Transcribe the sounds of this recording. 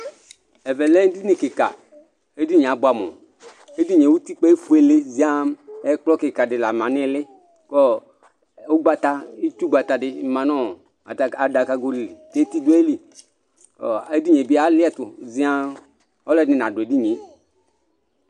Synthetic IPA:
ɛ˨vɛ˨lɛ˦n˦di˦ni˨kɪ˨ka̰˨ | e˦di˦ɲ˨a˨˦bʊ˦a˨mɔ̰˨ | e˦di˦ɲe˨wu˦ti˦k͡pe˦e˦fu˦e˨le˦zi˦a˦mɛ˦k͡plɔ˦kɪ˨ka˨dɪ˨la˨mã˨nɪ˦lɪ˦ | kɔ˦ | o˦ɡ͡ba˧t̪a˧i˦tu˦ɡ͡ba˨t̪a˨dɪ˦mã˨nɔ˦˨ | a˨da˨ka˧ɡo˦li˨li˨te˦ti˦du˦e˦li˨ | ɔ˨e˦di˦ɲe˨bi˦a˨˦lɪ˦ɛ˦˨tʊ˨zi˨˦a˦ | ɔ˦lɛ˦nɪ̃˨n˨ã˨dʊ˨e˨di˦ɲe˨˦

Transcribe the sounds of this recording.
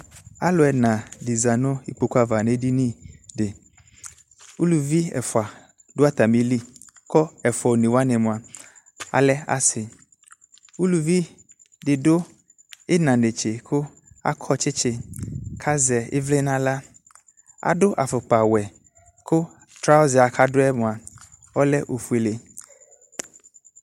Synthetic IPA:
a˦lʊ˨ɛ˨nã˨di˨za˨nʊ̃˦i˦k͡po˨ka˦va˨ne˦di˦nĩ˦de˨ | wu˦lu˨vi˦ɛ̰˨fʊ˨a˨ | dʊ˦a˦t̪a˨mĩ˦li˦ | kɔ˦ɛ˨fɔ˨nẽ˨wa˦nɛ˨mõ˨a˨ | a̰˨lɛ˦a̰˨sɪ˨ | u˦lu˨vi˦ | dɪ˨dʊ˦ | ɪ˦nã˨ne˨t͡ʃɪ˨kʰʊ˦ | a̰˦kʰɔ˦t͡ʃɪ˦t͡ʃʰɪ˨kʰa˦zɛ˨ɪ̰˦vle˦nã˦la˦ | a̰˨dʊ˦ʔa˨fʊ˨k͡pa˨wɛ˨ | kʰʊ˦ | t̪ɾa˦ɔ˦zɪ˨a˨kʰa˦dʊ˦ɛ˦mʊ̃˨a˨ | ɔ˦lɛ˦ʔo˨fu˦e˨le˨

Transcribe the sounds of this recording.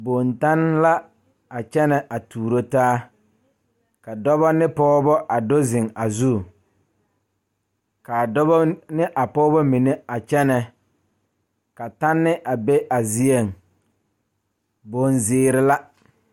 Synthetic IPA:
bo˨nta˦nla˦ | a˨t͡ʃɛ˦nɛ˨ʔa˨tuː˨ɾo˦taː˦ | ka˨dɔ˦βɔ˦nɪ˦pɔː˦bɔ˦ʔa˨do˦zɪ˨ŋa˨zu˦˨ | ka˨dɔ˦bɔ˦nɪ˦ʔa˨pɔː˦bɔ˦mi˨ne˦a˨t͡ʃɛ˦nɛ˨ | ka˨ta˦nːɪ˦ʔa˨be˦ʔa˨zi˦e˦˨ŋ˨ | bo˨nzɪː˦ɾɪ˦la˦

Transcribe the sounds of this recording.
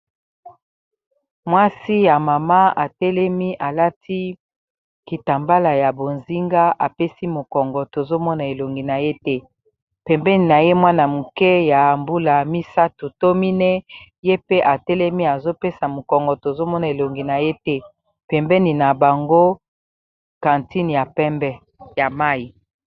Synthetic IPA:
mwa˦si˦ja˨ma˨ma˦a˨tɛ˦lɛ˦mi˦ʔa˨la˦tʰi˦ | ki˨ta˨mba˦la˨ja˨bo˨nzi˦ŋɡa˦ʔa˨pe˦si˦mo˨kɔ˨ŋɡɔ˨to˨zo˦mɔ˦na˨e˨lo˨ŋɡi˨na˨je˦tɛ˦ | pɛ˨mbɛ˦ni˨na˨je˦mwa˦na˨mu˨kɛ˦ja˨mbu˦la˨mi˦sa˦tu˨to˦mi˦nɛ˦ | je˦pe˦ʔa˨tɛ˦lɛ˦mi˦a˨zo˦pe˦sa˨mo˨kɔ˨ŋɡɔ˨to˨zo˦mɔ˦na˨e˨lo˨ŋɡi˨na˨je˦tɛ˦ | pɛ˨mbɛ˦ni˨na˨ba˨ŋɡo˦ | kã˨nti˦n˨ja˨pɛ˦mbɛ˦ | ja˨ma˦i˨

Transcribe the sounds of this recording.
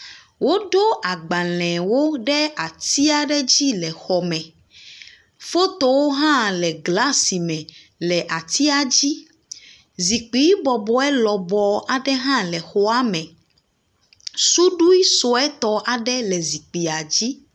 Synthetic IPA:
wo˦ɖo˦ʔa˨ɡ͡ba˨l̃ɛ̃˨wo˦ɖɛ˦a˨t̪i˦a˦˨ɖɛ˦d͡ʑi˦lɛ˨xɔ˨mɛ̃˨ | fo˦t̪o˦wo˦ɦã˦lɛ˨ɡla˦si˨mɛ̃˨ | lɛ˨ʔa˨t̪i˦a˨d͡ʑi˦ | zi˨k͡pi˨˦i˦bɔ˨bɔ˨ɛ˦lɔ˨bɔ˨a˨ɖɛ˦ɦã˦lɛ˨xo˦a˦mɛ̃˨ | su˦ɖu˦i˦so˨ɛ˦t̪ɔ˦ʔa˨ɖɛ˦lɛ˨zi˨k͡pi˨a˨d͡ʑi˦

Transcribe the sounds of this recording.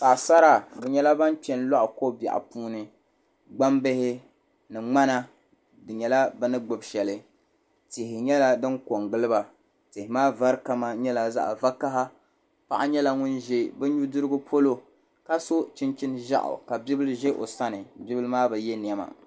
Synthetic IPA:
sa˨ʔsa˦ɾa˨bɛ˨ɲɛ˦la˦ba˦nt͡ʃɛ˨nla˦ʔʊ˨ko˦ba̰˨ʔa̰˨puː˦nɨ˨ | ɡ͡ba˦mbɪ˦hɪ˦ | nɨ˨ŋ͡ma˦na˦ | dɨ˨ɲɛ˨la˦bɨ˦nɨ˦ɡ͡bo˨bʃɛ˨lɨ˨ | tɪ˨hɪ˨ɲɛ˦la˦dɨ˦ŋko˨ŋɡɨ˦lɨ˦ba˨ | tɪ˨hɪ˨maː˦va˦ɾka˦ma˦ɲɛ˦la˨za̰˦ʔva˦ka˦ɦa˦ | pa˦˨ʔa˦ɲɛ˦la˦ŋʊ˦nʒe˦bɛ˦ɲu˦dɨ˦ɾɨ˦ɡʊ˦pʰo˦lo˦ | ka˦so˦t͡ʃɪ˦nt͡ʃɪ˦nʒa̰˦ʔʊ̰˨ka˨bi˦bɨ˦lʒe˦ʔo̰˨sa˦nɨ˨bi˦bɨ˦lɨ˦maː˦bɛ˨jɛ˦ni˨ɛ˨ma̰˨

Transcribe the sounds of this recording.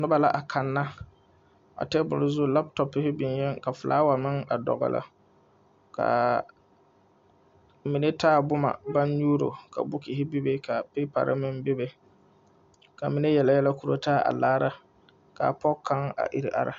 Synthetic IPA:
nʊ˦ba˨la˨ʔa˨kʰa˨nːa˦ | a̰˨tɛ˦bʊ̰˨lʊ˨˦zʊ˦la˦b̚tɔ˨pːɪ˦hɪ˦bɪ˨njɛ˦ŋka˨fʊ˨lʔa̰ː˦wa˨mɪ˦ŋa˨dɔ̰˨ɣɔ̰˨lʔa̰˨ | ka̰˨ | mi˨ne˦tʰaː˦˨bʊ˦ma̰˨ba˦n˦ɲuː˦ɾo̰˨ka̰˨bʊ˦ki˨hɪ˦bi˦be˦ka˨pɪ˦pa̰˨ɾʔɪ̰˦mɪ˦nbe˦be˨ | ka˨mi˨˦ne˦jɛ˨la˨jɛ˦la˦ku˦ɾo˦taː˦a̰˨laː˦ɾa˦ | ka̰˨pɔ˦kʰːa˦ŋa̰˨ʔi˨ɾi˨ʔa̰˨ɾa˨

